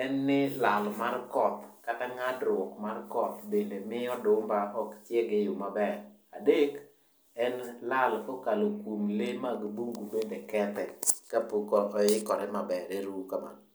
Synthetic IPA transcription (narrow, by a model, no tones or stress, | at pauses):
ɛnːɪlalmarkɔt̪kataŋadɾwɔkmarkɔt̪bendemɪɔdʊmbaʔɔkt͡ʃjɛɡɪjʊmabɛradek | ɛnlalkokalokwumlemaɡbuŋɡubendekɛt̪ɛkapukɔʔɔjɪkɔɾɛmabɛɾeɾukama̰n